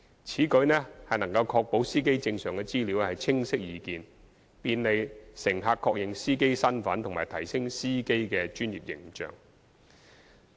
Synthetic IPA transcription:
t͡sʰiː˨˥kɵ˨˥ɥnɛː˥hɐ˨jnɐ˨˩ŋkɐ˧wkʰɔː˧k̚po˨˥wsiː˥k̬e˥jt͡sɪ˧ŋsœː˨˩ŋkɛ˧t͡siː˥li˨˥whɐ˨˩jt͡sʰɪ˥ŋsɪ˥k̚jiː˨˧kiː˨n | piː˨˧nle˨jsɪ˨˩ŋɦaː˧kʰːɔː˧k̚jɪ˨ŋsiː˥ke˥jsɐ˥nfɐ˨˥nt̪ʰʊ˨˩ŋmaː˨˩jt̪ʰɐ˨˩jsɪ˥ŋsiː˥ke˥jkɛː˧t͡ʃyː˥njḭː˨p̚jɪ˨˩ŋt͡ʃœ̰ː˨ŋ

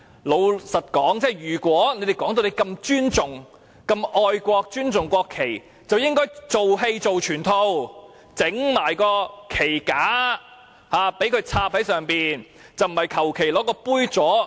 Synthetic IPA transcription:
lo˨˧wsɐ˨t̚kɔː˨˥ŋt͡sɛː˥˨jyː˨˩kʷɔː˨˥ne˧˥jt̪e˨jkɔː˨˥ŋt̪o˧wne˧jkɐ˧mt͡ʃyː˥nt͡sʊ˨˩ŋ | kɐ˧mɔː˧jkʷɔː˧k̚t͡ʃyː˥nt͡sʊ˨ŋkʷɔː˧kʰːe˨˩j | t͡sɐ˨wjɪ˥ŋkɔː˥jt͡so˨wɦe˧jt͡so˨wt͡ʃʰyː˨˩nt̪ʰo˧w | t͡sɪ˨˥ŋmaː˨˩jkɔː˧kʰe˨˩jkaː˨˥ | haː˨˧pe˨˥jkʰɵ˧ɥt͡sʰaː˧p̚hɐ˨˥jsœː˨ŋpiː˨n | t͡sɐ˨wm̩˨˩hɐ˨jkʰɐ˨˩wkʰe˨˩jlɔː˨˥kɔː˧puː˥jt͡sɔː˨˥

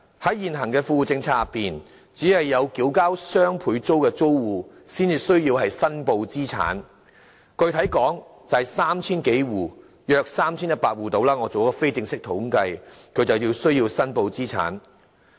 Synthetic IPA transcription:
hɐ˨˥jːiː˨nɦɐ˨˩ŋkɛː˧fuː˧u˨˩t͡sɪ˧ŋt͡sʰaː˧piː˨n | t͡siː˨˥hɐ˨jːɐ˨˧wkiː˨˥wkaː˥wsœː˥ŋpʰuː˨˧jt͡so˥wkɛː˧t͡so˥wwuː˨˩ | siː˥nt͡siː˨˧sɵ˥ɥjiː˧whɐ˨jsɐ˥npo˧wt͡siː˥t͡sʰa̰ː˨˥n | kɵ˧ɥt̪ʰɐ˨˥jkɔː˨˥ŋt͡sɐ˨hɐ˨jsaː˥mt͡sʰiː˥nke˨˥jwuː˨˩ | jœː˧k̚saː˥mt͡sʰiː˥njɐ˥t̚paː˧t̚wuː˨t̪o˧wlaː˥ŋɔː˨˧t͡so˨wkɔː˧fe˥jt͡sɪ˧ŋsɪ˥k̚t̪ʰʊ˨˥ŋkɐ˧jkʰɵ˨˧ɥt͡sɐ˨wjiː˧wsɵ˥ɥjiː˧wsɐ˥npo˧wt͡siː˥t͡sʰa̰ː˨˥n

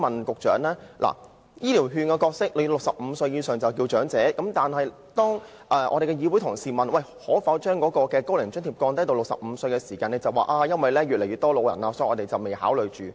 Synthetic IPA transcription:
ɐ˨nkʊ˨k̚t͡ʃœː˨˥ŋlɛː˥lʔa̰ː˨˩ | jiː˥liː˨˩wɦyː˧nkɛ˧kɔː˧k̚sɪ˥k̚le˨˧lʊ˨k̚sɐ˨p̚m̩ː˨˧sɵ˧jiː˧sœː˨ŋt͡sɐ˨wkiː˧wt͡ʃœː˨˥ŋt͡sɛː˨˥kɐ˨˥mt̪aː˨nhɐ˨˩j | t̪ɔː˥ŋ | ʔɛː˨ʔɔ̰ː˨˧ɾe˨kɛ˧jiː˨˧wjt̪ʰʊ˨˩ŋsiː˨˩mɐ˨nwɐ˧˨˩jhɔː˨˥fɐ˨˥wt͡ʃœː˥ŋkɔː˨˥kɔː˧kɛː˧ko˥wlɪ˨˩ŋt͡ʃɵ˥nʰiː˨p̚kɔː˧ŋt̪ɐ˥t̪o˧wlʊ˨k̚sɐ̰˨p̚m̩ː˨˧sɵ˧ɥkɛ˧siː˨˩kaː˧nɛ˧˩t͡sɐ˨waː˨˩ʔaː˧jɐ˥nwɐ˨jlɛː˥ɥyː˨lɛ˨˩jɥyː˨t̪ɔː˥lo˨˧wjɐ̰˨˩naː˧sɔ˨˧˥jʔɔː˨˧te˨jt͡sɐ˨wme˨jha̰ː˨˥wlɵ˨ɥt͡ʃyː˨

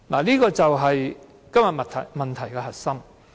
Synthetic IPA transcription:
laː˨˩liː˥kɔː˧t͡sɐ˨wɦɐ˨j | kɐ˥mjɐ˨t̚mɐ˨t̪ʰɐ˨jmɐ˨nt̪ʰɐ˨˩jkɛ˧ɦɐ˨t̚sɐ˥m

